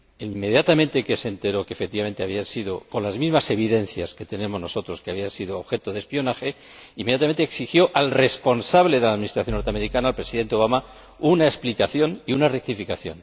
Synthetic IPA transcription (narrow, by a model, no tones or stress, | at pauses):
imːe̞ðjat̪amẽnt̪ekese̞nt̪e̞ɾo̞kefek̚t̪iβamẽ̞nt̪e̞aβiansiðo̞ko̞nlazmizmase̞β̞iðe̞nθjaske̞t̪e̞ne̞mono̞so̞t̪ɾo̞skeaβiansiðoːβxe̞t̪oðe̞spio̞naxe | ime̞jat̪ament̪eːksixjo̞ʔalre̞spo̞nsaβleðelaðminist̪ɾaθjo̞nːoɾt̪ameɾikanaːlpɾesiðe̞nt̪eo̞βama | unaesplikaθjo̞niunarek̚t̪ifikaθjon